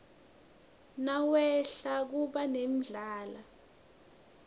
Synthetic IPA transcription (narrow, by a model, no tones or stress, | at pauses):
nawɛɬak̬uɓanem̩ɮaːla